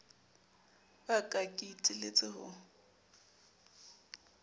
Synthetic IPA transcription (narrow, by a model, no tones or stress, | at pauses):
bakʼakʼitʼilet͡sʼɪhʊ̰